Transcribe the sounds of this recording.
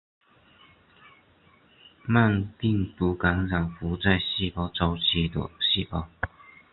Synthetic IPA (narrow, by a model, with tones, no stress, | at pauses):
ma˥˨npi˥˩ŋt̪u˧˥ka˧˥ŋɻa˨˩ŋfu˧˥˦t͡sa˥˧ɪɕi˥˧pɑ˥˩ʊʈ͡ʂo˧˥ʊt͡ɕʰi˧˥t̪ə̰˨˩ɕi˥˧pɑ˧˥ʊ